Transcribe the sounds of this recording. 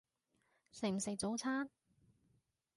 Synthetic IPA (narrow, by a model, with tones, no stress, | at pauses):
se˨˩m̩˨˩se˨j̚t͡so˨˥wt͡sʰaː˥n